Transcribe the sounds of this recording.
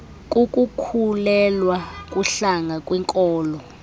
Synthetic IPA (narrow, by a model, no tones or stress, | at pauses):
kʼukʼukʰulɛlwakʼuɬaŋʱakʼwɛŋkʼɔːlɔ